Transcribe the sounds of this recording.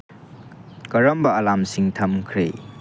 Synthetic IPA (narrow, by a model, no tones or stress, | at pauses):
kɐɾɐmbɐɐlamsiŋtʰɐmkʰɾḛ